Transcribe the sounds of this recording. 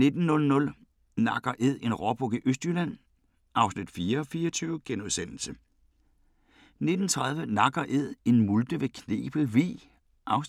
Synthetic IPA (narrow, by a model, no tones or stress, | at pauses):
ne̝d̥n̩ːɔ̽lnɔ̽l | nɑ̈ɡ̥ɐʔe̝ð̞̰ˠe̝nʁɒb̥ʰɔɡ̥əʔøsd̥ylæn̰ | ʔɑ̈ʊsnid̥fiːɐɒ̽fiːɐt͡sʰyːʊəɡ̥enuðˠsen̰l̩sə | ne̝d̥n̩t͡sʰʁɑ̈ð̞ˠʋənɑ̈ɡ̥ɐʔe̝ð̰ˠe̝nmuld̥əʋe̝kʰnḛːb̥l̩ʋḭː | ʔɑ̈ʊs